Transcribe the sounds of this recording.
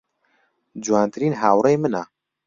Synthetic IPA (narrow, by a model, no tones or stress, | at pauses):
d͡ʒuwaːnt̪ɨɾiːnɦaːwɾejmɨna